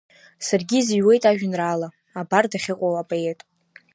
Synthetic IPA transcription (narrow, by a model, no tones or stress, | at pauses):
sarɡʲiziɥwe̞jtʼaʒᶣɪnraːla | abardaχʲɪqʷʼowapʼoe̞tʼ